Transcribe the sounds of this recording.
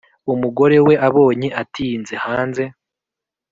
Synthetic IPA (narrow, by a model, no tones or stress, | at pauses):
umuɡo̞ɾe̞we̞ʔaβo̞ːɲeʔatinze̞haːnze̞